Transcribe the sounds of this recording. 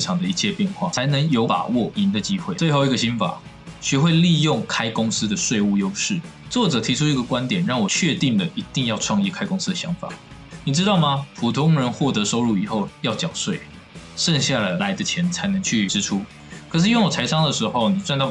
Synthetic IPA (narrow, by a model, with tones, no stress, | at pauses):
ʈ͡ʂʰɑ˨˩ŋd̪ə˩i˧˥t͡ɕʰjɛ˥˧pjɛ˥˧nxwa̰˥˩t͡sʰa˧˥ɪnə˧˥ŋjo˧˥ʊt̪a̰˨˩wɔ˥˩i˧˥nd̪ə˨t͡ɕi˥xwe˥˩ɪt͡swe˥˧ɪxo˥˧ʊi˧˥ɡə˩ɕi˥nfa̰˨˩˦ | ɕɥɛ˥xwe˥˧ɪli˥˧jʊ˥˩ŋkʰa˥ɪkʊ˥ŋsɹ̩˥d̪ə˨swe˥˧ɪu˥˩jo˥ʊʂɻ̩˥˩ | t͡swɔ˥˩ʈ͡ʂɤ˨˩t̪ʰi˧˥ʈ͡ʂʰu˥i˧˥ɡə˨kwa˦nt̪jɛ˨˩nɻɑ˥˩ŋwɔ˨˩t͡ɕʰɥɛ˥˧t̪i˥˩ŋd̪ə˩i˧˥t̪i˥˧ŋjɑ˥˧ʊʈ͡ʂʰwɑ˥˧ŋi˥˩kʰa˥ɪkʊ˥ŋsɹ̩˥d̪ə˨˩ɕjɑ˧˥ŋfa̰˨˩ni˨˩ʈ͡ʂɻ̩˥t̪ɑ˥˩ʊma˨pʰu˨˩t̪ʰʊ˥ŋɻə˧˥nxwɔ˥˩t̪ɤ˧˦ʂo˥ʊɻu˥˩i˨˩xo˥˩ʊjɑ˥˩ʊt͡ɕjɑ˨˩ŋswe˥˩ɪ | ʂə˥˧ŋɕja˥˩lla˧˥ɪd̪ə˧t͡ɕʰjɛ˧˥nt͡sʰa˧˥ɪnə˧˥ŋt͡ɕʰy˥˩ʈ͡ʂɻ̩˥ʈ͡ʂʰu˥ | kʰɤ˨˩ʂɻ̩˥˩jŋwɔ˨˩t͡sʰa˧˥ɪʂɑ˥ŋd̪ə˨ʂɻ̩˧˥xo˥˩ʊni˨˩t͡swa˥˧nt̪ɑ˥˨˩